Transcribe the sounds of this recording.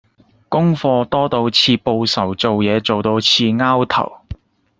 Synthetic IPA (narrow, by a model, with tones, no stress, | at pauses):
kʊ˥ŋfɔː˧t̪ɔː˥t̪o˧wt͡sʰiː˧po˧wsɐ˨˩wt͡so˨wjɛː˨˧t͡so˨wt̪o˧wt͡sʰiː˧ŋaː˥wt̪ʰɐ̰˨˩w